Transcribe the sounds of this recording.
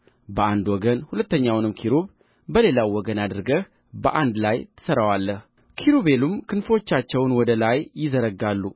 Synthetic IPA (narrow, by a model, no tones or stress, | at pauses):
bəand̪wɔɡənhulət̪ːəɲːawnɨmkʰiɾuβ | bəle̞lawːɔɡənad̪ɨɾɡəh | bəʔand̪lajt̪ʰɨ̥səɾawalːəh | kʰiɾuβe̞lumkʰɨnfo̞t͡ʃːat͡ʃːɛwnwɔd̪əlajjɪzəɾəɡalːu